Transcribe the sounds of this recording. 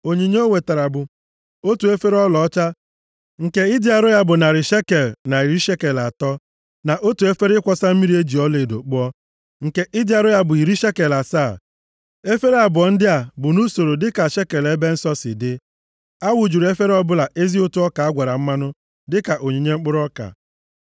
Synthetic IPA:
o˨ɲi˨ɲe˦o˦we˨ta˨ɾa˨bʊ˨ | o˦tu˨e˦fe˦ɾɔ˦lɔ˨˦t͡ʃa˦ | ŋ̩˨ke˦i˦di˦a˨ɾʊ˦ja˦bʊ˨na˨ɾɪ˨ʃe˦ke˨lna˨i˨ɾi˦ʃe˦ke˨la˨tɔ˦ | na˨ʔo˦tu˨e˦fe˦ɾkʷɔ˦sa˦m̩˦mi˦ɾi˦e˦d͡ʒi˨ɔ˦le˨do̰˨k͡pʊ˦ɔ˦ | ŋ̩˨ke˦ʔi˦di˦a˨ɾʊ˦ja˦bʊ˨i˨ɾi˦ʃe˦ke˨la˨saː˦˨ | e˦fe˦ɾe˦a˨bʊ˨ɔ˨n̩˦dɪ˦a˨bʊ˨nu˦so˨ɾo˨dɪ˦ka˨ʃe˦ke˨le˦be˦n̩˦sɔ˦sɪ̰˨dɪ˦ | a˦wu˨d͡ʒu˨ɾe˦fe˦ɾɔ˦bʊ˦la˨ʔe˦zi˦o˦tu˦ɔ˦ka˨a˦ɡʷa˨ɾa˨m̩˦ma˦nʊ˦ | dɪ˦ka˨ʔo˨ɲe˨ɲe˦ŋ͡m̩˦k͡pʊ˦ɾɔ˦ka̰˨

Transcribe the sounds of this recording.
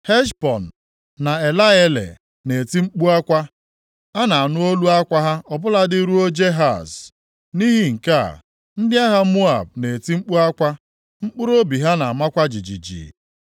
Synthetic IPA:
he˦ʃpɔ˨n̩ː˨ | a˨e˨la˦e˦lḛ˨ | ne˨ti˦ŋ͡m̩˦k͡pu˦a˦kʷa˦ | a˦na˨a˨nʊ˦o˦lu˦a˦kʷa˦ɦa˦ɔ˨bʊ˦la˦dɪ˦ɾu˦o˦d͡ʒe˦ɦa̰˨z | ni˦ɦi˦ŋ̩˨ka̰˦˨ | n̩˦dɪ˦a˦ɦa˦mu˦a̰˨b̚ne˨e˨ti˦ŋ͡m̩˦k͡pu˦a˦kʷa˦ | ŋ͡m̩˦k͡pʊ˦ɾo˦bi˨ɦa˦na˨a˨ma˦kʷa˦d͡ʒi˨d͡ʒḭ˨d͡ʒḭ˨

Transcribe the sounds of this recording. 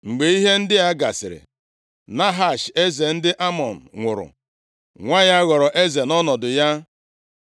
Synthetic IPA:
ŋ͡m̩˨ɡ͡be˨i˦ɦe˦n̩˦dɪ˦a˦ɡa˨sɪ̰˨ɾɪ̰˨ | na˦ɦa˨ʃe˦ze˨n̩˦dɪ˦ʔa˦mɔ˨n̩˨ŋʷʊ̰˨ɾʊ̰˨ | ŋʷa˦ja˦ɣɔ˨ɾɔ˨ʔe˦ze˨nɔ˦nɔ˨dʊ˨ja˦

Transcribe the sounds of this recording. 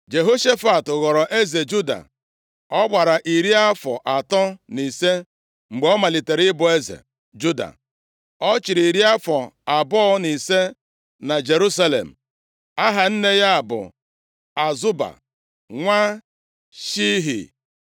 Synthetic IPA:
d͡ʒe˨ɦo˦ʃe˦fa˨tʊ˨ɣɔ˨ɾɔ˨ʔe˦ze˨d͡ʒu˦da̰˨ | ɔ˦ɡ͡ba˨ɾa˨ʔi˨ɾi˦a˦fɔ̰˨ʔa˨tɔ˦ni˨se˦ | ŋ͡m̩˨ɡ͡be˨ɔ˦ma˨li˨te˨ɾɪ˦bʊ˨e˦zḛ˨ | d͡ʒu˦da̰˨ | ɔ˦t͡ʃi˨ɾi˨ɾi˦a˦fɔ˨a˨bɔ˦ni˨se˦ | na˨d͡ʒe˨ɾu˦sa˦lḛ˨m̩˨ | a˦ɦa˨n̩˦ne˦ja˦a˨bʊ̰˨ | a˨zʊ˦ba̰˨ | ŋʷa˦ | ʃi˦ɦḭ˨

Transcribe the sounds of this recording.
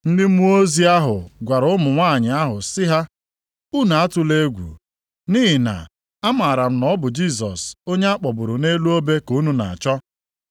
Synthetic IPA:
n̩˦dɪ˦m̩˦u˦o˦zi˦a˦ɦʊ˨ɡʷa˨ɾʊ˦mʊ˨ŋʷaː˦˨ɲɪ˨a˦ɦʊ˨sɪ˦ɦa˦ | u˦na˨a˦tʊ˨le˦ɡʷṵ˨ | niː˦ɦi˨na̰˨ | a˦ma˨ɾa˨m̩˦nɔ˦bʊ˨d͡ʒi˦˨s̬ɔ̰˨so˦ɲe˦a˦k͡pɔ˨bʊ˨ɾʊ˨ne˦lu˦o˦be˦ku˨˦nu˦na̰˨a˨t͡ʃɔ˦

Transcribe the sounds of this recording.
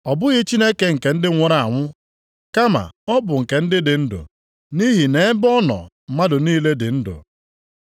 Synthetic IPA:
ɔ˨bʊ˦ɣɪ˦t͡ʃi˦ne˦ke˦ŋ̩˨ke˨n̩˦dɪ˦ŋʷʊ˦ɾa˨a̰˨ŋʷʊ˦ | ka˦ma̰˨ɔ˦bʊ˨ŋ̩˨ke˨n̩˦dɪ˦dɪ˨n̩˦dʊ̰˨ | ni˦ɦi˨ne˨˦bɔ˦nɔ̰˨m̩˨ma˦dʊ˨niː˦le˦dɪ̰˨n̩˦dʊ̰˨

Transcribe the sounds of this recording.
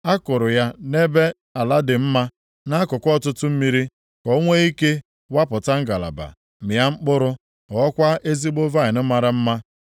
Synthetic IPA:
a˦kʊ˨ɾʊ˨ja˦ne˦be˦ | a˨la˦dɪ˨m̩˦ma˦ | na˦kʊ˨kʷɔ˦tʊ˦tʊ˦m̩˦mi˦ɾi˦ | kɔ˦ŋʷe˦i˦ke˦ | wa˦pʊ˨ta˦ŋ̩˦ɡa˨la̰˨ba̰˨ | mɪ˨ja˦ŋ͡m̩˦k͡pʊ˦ɾʊ˦ | ɔ˨˦kʷa˦ʔe˦zi˦ɡ͡bo˦va˦ɪ˨nʊ˦ma˨ɾɪ˦m̩˦ma˦

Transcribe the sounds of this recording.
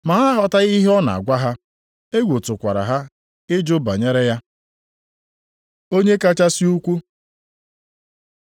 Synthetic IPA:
ma˨a˦ɦɔ˨ta˦i˦ɦe˦ɔ˦na̰˨a̰˨ɡʷa˦ɦa˦ | e˦ɡʷo˨tʊ˨kʷa˨ɾa̰˨ɦa˦ | ɪ˦d͡ʒʊ˦ba̰˨ɲe˦ɾe˦ja˦ | o˦ɲe˦ka˦t͡ʃa˦si˦u˦kʷu˦

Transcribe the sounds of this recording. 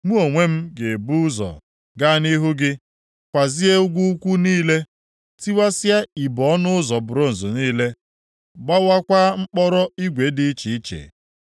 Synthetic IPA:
mu˦o˨ŋʷe˦m̩˦ɡe˨bu˦ʊ˦zɔ̰˨ | ɡa˦ni˦ɦʊ˦ɡɪ˦ | kʷa˨zi˦e˦ʊ˦ɡʷu˦kʷu˦niː˦le˦ | ti˦wa˦sja˦i˨bɔ˨˦nʊ˦ʊ˦zɔ˨bʊ˨ɾo˦n̩˨zʊ˨niː˦le˦ | ɡ͡ba˦wa˦kʷa˦ŋ͡m̩˦k͡pɔ˦ɾɔ˦i˦ɡʷe˨˦dɪ˦i˦t͡ʃi˨i˦t͡ʃḛ˨

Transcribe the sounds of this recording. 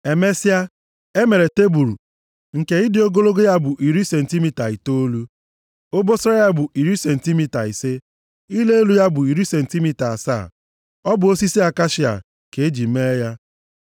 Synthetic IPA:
e˨me˦si˦a˦ | e˦me˨ɾe˨te˦bu˨ɾu˨ | ŋ̩˨ke˨ɪ˦dɪ˨o˦ɡo˦lo˦ɡo˦ja˦bʊ˨ʔi˨ɾi˦se˨n̩˨ti˦mi˨ta˨i˨to˦o˦lu˦ | o˦bo˦so˦a˦ja˦bʊ˨i˨ɾi˦se˨n̩˨ti˦mi˦˨ta˨i˨se˦ | i˦le˦e˦lu˦ja˦bʊ˨i˨ɾi˦se˨n̩˨ti˦mi˦ta˨a˨sa̰ː˦˨ | ɔ˦bʊ˨o˦si˦si˦a˨ka˦ʃi˦a̰˨ | ke˨e˦d͡ʒi˨me˦ja˦

